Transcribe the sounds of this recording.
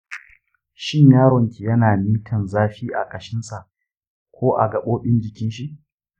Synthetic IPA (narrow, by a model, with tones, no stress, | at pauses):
ʃɪ˦ɲjaː˦ɽɔ˨ŋkʲi˨jɐ˦naː˨miː˦tʰɐ˨nzaː˦ɸiː˦ʔa̰˨kʼɐ˨ʃɪ˦nsa˨ʔ | kʷoː˦ʔa̰˨ɡɐ˨ɓoː˦ɓɪ˦nd͡ʒɪ˨kʲɪ˦nʃi˦ʔ